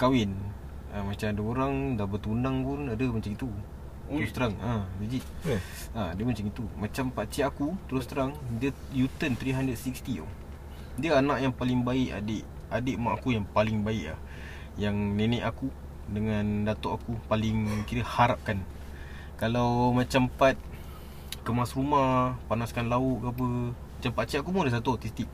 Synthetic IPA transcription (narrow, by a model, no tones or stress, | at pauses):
kawɪn | amat͡ʃamadəoɾaŋdabət̪unaŋpunadəmat͡ʃaŋit̪u | ɾust̪əɾaŋaid͡ʒiʔ | adəmat͡ʃaŋit̪umat͡ʃampaʔt͡ʃiakut̪əɾʊst̪əɾaŋdiə | jut̪ənt̪ɾiɦandəd̚sikst̪io̰ | diəanaʔjaŋpalɪŋbaɪʔa̰deʔ | adəʔmaʔakujaŋpalɪŋbaɪʔla̰h | jaŋnenɛ̃ʔaku | dəŋandat̪oʔakupalɪŋkit̪əhaɾap̚kan | kalawmãt͡ʃampat̪̚ | kəmasrumahpanaskanlaʊʔɡapəmat͡ʃampat͡ʃiʔakumudəs̬at̪uɔt̪is̬t̪ik̚